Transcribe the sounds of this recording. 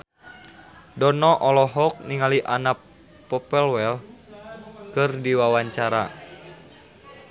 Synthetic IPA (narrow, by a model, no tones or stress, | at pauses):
dɔnɔʔɔlɔɦɔk̚niŋaliʔanapː | ɔpɛlwɛl | kɨrdiwawaɲt͡ʃaɾa̰